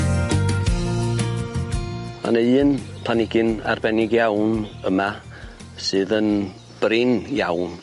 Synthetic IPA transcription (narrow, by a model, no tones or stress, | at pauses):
ma̰nəɨːnpʰl̥anɪɡɨna̰rbɛnɪɡjawnəma | sɨːðən | b̥rɪnjawn